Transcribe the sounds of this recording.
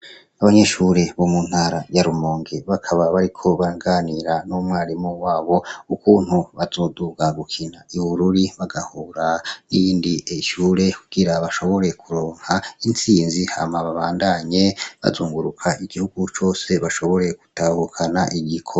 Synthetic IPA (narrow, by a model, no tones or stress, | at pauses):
aβaɲe̞ʃuɾe̞βo̞mun̥haːɾajaɾumoːŋɡeβakʰaβaβaɾikʰo̞βaɡaːniɾanumŋaːɾimowaːβo̞ukuːn̥huβazo̞ːduɡaɡukʰinaʔiβuɾuɾiβaɡahuɾaniiːndieʃuːɾe̞kʰuɡ̥iɾaβaʃo̞βo̞ɾe̞kʰuɾo̞ːŋ̥haint͡siːnziha̰maβaβaːndaɲe̞βa̰zuːŋɡuɾukʰaiɡ̥ihuɡ̥ut͡ʃo̞ːse̞βaʃo̞βo̞ɾe̞ku̥tahukʰanaʔiɡikʰo